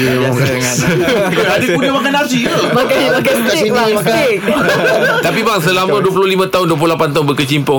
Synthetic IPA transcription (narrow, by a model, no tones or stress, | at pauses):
adipunəmakanad͡ʒi | makaimakanskiasɪk̚ | t̪apibaŋsəlamãduəp̬ulolimãt̪aʊnduəpulolapant̪aʊnbəkət͡ʃimpɔ